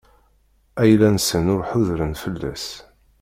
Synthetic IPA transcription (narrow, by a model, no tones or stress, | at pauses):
æjlænsənʊɾħʊðɾənfəlːæ̰s